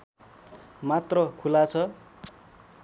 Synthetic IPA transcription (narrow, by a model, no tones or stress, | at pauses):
mat̪rʌkʰulat͡sʰʌ